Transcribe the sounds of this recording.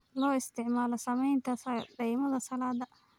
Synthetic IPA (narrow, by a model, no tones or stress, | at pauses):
lɔːɪst̪ʰɪʕmaːlɔsɐmɛjnt̪ʰɐsɖɛjmɐðɐsɐlaːd̪ɐ